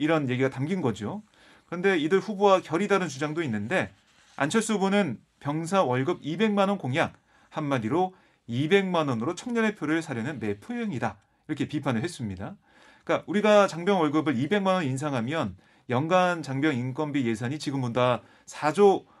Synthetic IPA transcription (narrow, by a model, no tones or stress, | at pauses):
iɾʌnje̞ɡiɡatamɡinɡʌd͡ʑio | kɯɾʌnde̞idɯɭɸubowakjʌɾidaɾɯnt͡ɕud͡ʑaŋdoinːɯnde̞ | a̰nt͡ɕʰʌɭs͈ubonɯn | pjʌŋsʰawʌɭɡɯbibe̞ŋmanʌnkoŋjak̚ | hanmadiɾo | ibe̞ŋmanʌnɯɾot͡ɕʰʌŋɲʌne̞pʰjoɾɯɭsʰaɾjʌnɯnme̞pʰuɦeŋida | iɾʌkʰe̞pipʰanɯɭɦes͈ɯmɲida | k͈auɾiɡat͡ɕaŋbjʌnwʌɭɡɯbɯɭibe̞ŋmanʌins̬ʰaŋɦamjʌn | jʌŋɡant͡ɕaŋbjʌŋink͈ʌnbije̞s̬ʰaɲit͡ɕiɡɯmbonda | sʰad͡ʑo